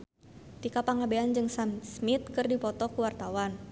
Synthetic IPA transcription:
t̪ikapaŋabeand͡ʒɨŋsamsmit̪̚kɨrdipɔt̪ɔkuwart̪awan

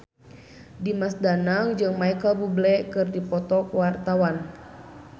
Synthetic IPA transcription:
dimasdanaŋd͡ʒɨŋmaikalbublɛkɨrdipɔt̪ɔkwart̪awan

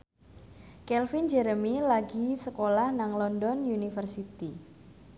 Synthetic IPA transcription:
kɛlfind͡ʒɛɾəmilaɡisəkolahnaŋlɔndɔnjunifərsit̪i

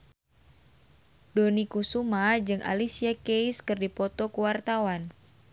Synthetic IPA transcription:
donikusumad͡ʒɨŋʔa̰lisiakejskɨrdipɔt̪ɔkuwart̪awan

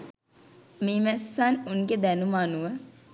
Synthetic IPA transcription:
miːmɛsːanunɡed̪ænumaːnuʋə

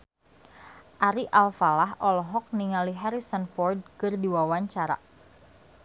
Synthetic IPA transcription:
ʔaɾiʔalfalaɦʔɔlɔɦɔk̚niŋaliɦaɾisanfɔrd̚kɨrdiwawaɲt͡ʃaɾa̰

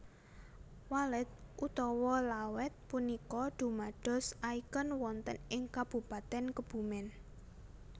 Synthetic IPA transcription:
walɛt̪̚ʔut̪ɔwɔlawɛt̪̚punikɔɖ̪̥ṳmaɖ̥ɔ̤saikənwɔnt̪ənɪŋkab̥ṳpat̪ɛnkəb̥ṳmɛn

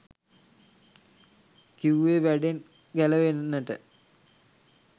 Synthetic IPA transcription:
kiʋeʋæɖen | ɡæləʋennːəʈə̰

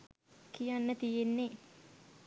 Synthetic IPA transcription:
kijanːət̪ijenːe

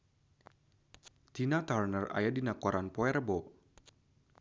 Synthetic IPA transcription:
t̪inat̪arnəra̰jadinakɔɾanpɔɛrbɔ

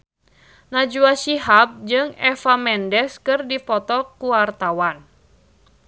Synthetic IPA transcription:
nad͡ʒuasiɦap̚d͡ʒɨŋɛfamɛndɛskɨrdipɔt̪ɔkuwart̪awan

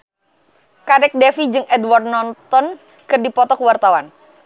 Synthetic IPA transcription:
kadɛk̚dɛfid͡ʒɨŋʔɛdward̪nɔnt̪ɔn | kɨrdipɔt̪ɔkəwart̪awan

